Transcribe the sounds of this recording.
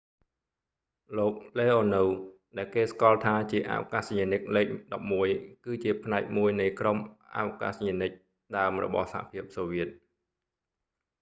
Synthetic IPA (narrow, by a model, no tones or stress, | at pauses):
loːk̚leːʔoːnuwɗaɛlkeːskŏɑəlt̪ʰaːt͡ɕiəʔa̰ʋo̰kasɲənɨk̚leːk̚ɗɑp̚muəjkɨːt͡ɕiəpʰnaɛk̚muəjnɨjkromʔa̰woka̰sɲənɨc̚ | ɗaəmrɔ̰ɓɑ̰hsaha̰pʰiəp̚soːʋiət̪̚